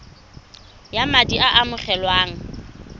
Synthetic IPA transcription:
jamadiʔaʔamʊχɛlwaːŋ̩

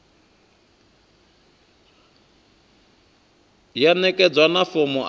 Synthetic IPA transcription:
janɛkʼɛd͡zwanafomɔʔ

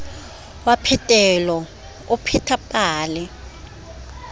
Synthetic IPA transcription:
wapʰɛtʼɛlɔ | ʊpʰɛtʰapʼaːlɛ

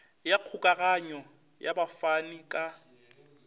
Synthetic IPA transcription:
jaq͡χʰukʼaɣaɲɔ | jabafanikʼa

